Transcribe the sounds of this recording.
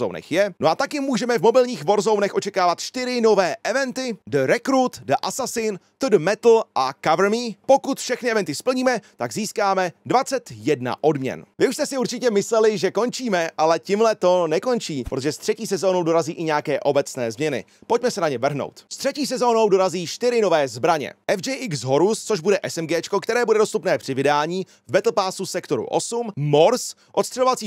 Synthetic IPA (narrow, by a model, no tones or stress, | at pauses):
ownɛ̰xjɛnoʔat̪akjɪmːuːʒɛmɛvmo̞bɪlɲiːxvo̞ɾzownɛxʔo̞t͡ʃɛkaːvat̪ʃt̪ɪɾɪno̞vɛːʔɛvɛnt̪ɪdəɾɛkɾuːt̪dəʔasasɪnt̪udmɛt̪l̩ʔakavɾmiːpo̞kut̪fʃɛxnɪʔɛvɛnt̪ɪspl̩ɲiːmɛt̪aɡziːskaːmɛdvat͡sɛt̪jɛdna̰ʔo̞dmɲɛ̰nvɪuʃst̪ɛsɪuɾt͡ʃɪcɛmɪslɛlɪʒɛko̞nt͡ʃiːmɛʔalɛcɪmlɛt̪o̞nɛko̞nt͡ʃiːpɾot̪oʒɛst̪r̥ɛciːsɛzoːno̞wdo̞ɾaziːʔɪɲɛakɛːʔo̞bɛt͡snɛ̰ːzmɲɛnɪ̰ | po̞c̚mɛsɛnaɲɛvr̩ɦno̰wt̪st̪r̝̥ɛciːsɛzo̞ːno̞wdo̞ɾaziːʃt̪ɪɾɪno̞vɛːzbɾaɲɛ̰ʔɛvd͡ʒɛjʔɪksɦo̞ɾust͡soʒbudɛʔɛsɛmɡɛːt͡ʃko̞kt̪ɛɾɛːbudɛdost̪upnɛːpr̝̥ɪvɪdaːɲiː | vbɛt̪l̩paːsusɛkt̪o̞ɾṵʔo̞̰summo̞ɾs | ʔt̪st̪r̥ɛlovatt͡siː